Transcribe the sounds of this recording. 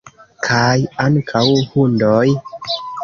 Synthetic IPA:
kʰajaŋkʰawhundoj

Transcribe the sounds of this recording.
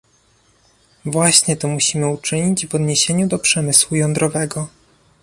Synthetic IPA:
vwaɕɲɛt̪ɔmuɕimɘut͡ʂɘɲid͡ʑvɔd̪ɲeɕeɲud̪ɔpʂɛmɘswujɔnd̪ɾɔvɛɡɔ

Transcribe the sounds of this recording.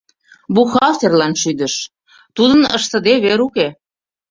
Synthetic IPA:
buxɑlt̪erlɑnʃyd̪ə̆ʃ | t̪ud̪ənəʃt̪ə̆d̪eβeɾuke

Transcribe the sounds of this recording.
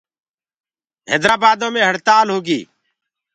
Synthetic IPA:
ɦḛːd̪ɾaːbaːd̪õːmẽːɦəɽt̪aːlɦoːɡḭː

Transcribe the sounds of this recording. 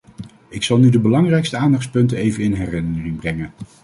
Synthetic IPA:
ɪksɑlˠnydəbəlɑŋrɛjkstəaːndɑχtspɵntənejvənɪnɦɛrɪnəərɪŋbrɛŋən

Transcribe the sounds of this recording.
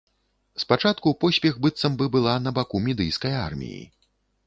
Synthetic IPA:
spat͡ʂat̪kupɔsʲpʲɛɣbɨt̪sɐmbɨbɨlˠanɐbakumʲid̪ɨjskɐja̰rmʲḭjḭ

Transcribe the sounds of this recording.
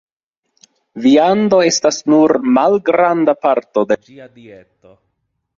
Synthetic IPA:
viando̞e̞stasnuɾmalɡɾandapaɾto̞deiadieto

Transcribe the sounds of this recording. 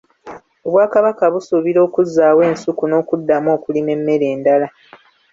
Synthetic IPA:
o̞βwaːkaβakaβusuβiɾo̞ːkuzːaːwe̞ːnsukuno̞ːkudːamo̞ːkulime̞mːe̞ɾe̞ːndala

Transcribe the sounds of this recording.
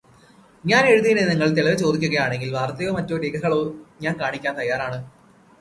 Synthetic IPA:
ɲaːne̞ɻuðijneniŋːɐɭt̪eɭɐʋet͡ɕo̞ːd̪ikʲːuɣɐjaːɳe̞ŋɡilʋaːrt̪ːɐjo̞ːmɐtːoːɾiːɡɐɣɐɭo̞ːɲaːnkaːɳikʲːaːnt̪ɐjːaːraːɳɨ

